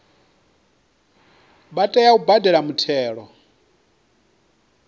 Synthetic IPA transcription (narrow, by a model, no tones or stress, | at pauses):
ɓatʼɛjaubadʱɛɺamutʰɛːɺɔ